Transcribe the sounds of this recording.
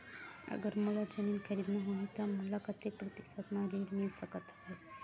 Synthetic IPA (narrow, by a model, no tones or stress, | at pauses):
ə̰ɡəɾməlad͡ʑəmiːnkʰəɾiːd̪nəɦoit̪jaməlakət̪epɾət̪i̥sat̪naɾiɽmilsəkət̪ɦe